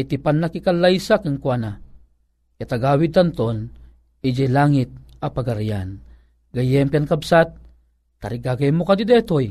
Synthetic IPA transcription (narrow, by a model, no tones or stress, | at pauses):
it̪ipanːakikalːajsakaŋkwana | kat̪aɡawid̚t̪ant̪on | id͡ʒelaŋit̪̚apaɡaɾijan | ɡajɛmpiankabsat̪̚ː | aɾiɡaɡajmokad̪id̪ɛt̪oj